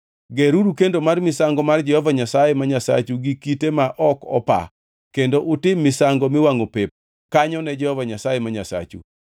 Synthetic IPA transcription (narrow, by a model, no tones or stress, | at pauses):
ɡeɾuɾukendomarmɪsaŋɡɔmard͡ʒɛhɔvaɲasajɛmaɲasa̰t͡ʃuɡikitemaʔɔkɔ̰pa̰ | kendoʔʊtɪmːɪsaŋɡɔmɪwaŋopep̚ | kaɲɔnɛd͡ʒɛhɔvaɲasajemaɲasa̰t͡ʃṵ